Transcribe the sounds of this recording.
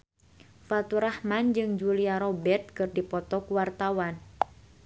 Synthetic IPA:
fat̪uɾahmand͡ʒɨŋd͡ʒuliaɾɔbɛrt̪̚kɨrdipɔt̪ɔkuwart̪awan

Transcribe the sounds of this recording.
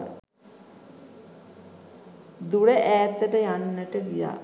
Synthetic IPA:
d̪uɽəʔæːt̪ːəʈəjanːəʈəɡija̰ː

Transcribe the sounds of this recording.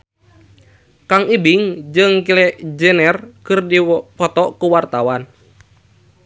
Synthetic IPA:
kaŋibiŋd͡ʒɨŋkilɛd͡ʒɛnɛrkɨrdipɔt̪ɔkuwart̪awan

